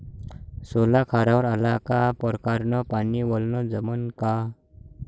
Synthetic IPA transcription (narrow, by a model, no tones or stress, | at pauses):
solakʰaɾaʋəɾəlakapɔɾkaɾnɔpaniʋɔlnɔd͡zəmənka